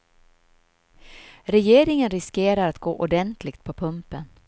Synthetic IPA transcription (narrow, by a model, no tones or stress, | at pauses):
ɾɛjeːɾɪŋənɾɪskeːɾaɾat̪ɡoːʔʊɖɛnt̪ʰlɪɡt̪̚pʰɔpʰɵmpən